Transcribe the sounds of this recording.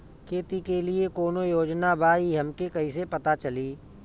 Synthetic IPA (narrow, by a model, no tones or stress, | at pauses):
kʰeːt̪ikeliekoːnojoːd͡ʒnabaːiɦɐmkekɐis̬epɐt̪at͡ʃɐliː